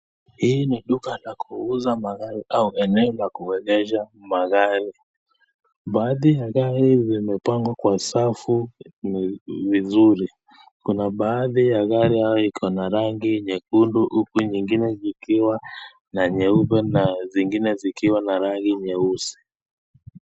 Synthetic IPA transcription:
hiːniɗukalakʰuuzamaɣaɾiʔauʔɛnɛɔlakuwɛɣɛʃamaɣaɾi | ɓaːðijaɣaɾizimɛpaŋɡwakwasafunvizuɾi | kunaɓaːðijaɣaɾiajɔikiɔnaɾaŋɡiɲɛkunduʔukuɲiŋɡinɛzikiwa | naɲɛuβɛnaziŋɡinɛzikiwanaɾaŋɡiɲɛusi̥

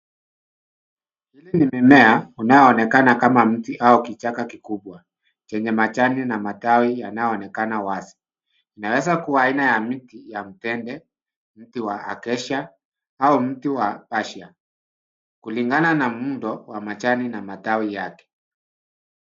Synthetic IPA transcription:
hilinimɛmɛaunajɔːnɛkanakamam̩tiʔaukit͡ʃakakikuɓwa | t͡ʃɛɲɛmat͡ʃaninamatawijanajɔːnɛkanawazi̥ | inawɛzakuwaːinajamitijam̩tɛndɛ | m̩tiwaa̰kɛʃa | aum̩tiwapaʃia | kuliŋɡananamundɔwamat͡ʃaninamatawijakɛ̥

